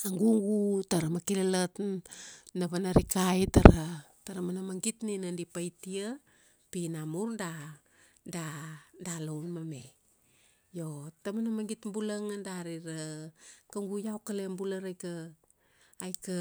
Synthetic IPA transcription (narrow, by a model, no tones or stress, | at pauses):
aŋɡuŋɡutaɾamakilalat | naβanaɾikajtaɾa | taɾamanamaŋɡitninandipajtia | pinamuɾda | dadalownmamḛ | jotamanamaŋɡitmbulaŋandaɾiɾakaŋɡujawkalembulaɾajkaː | jka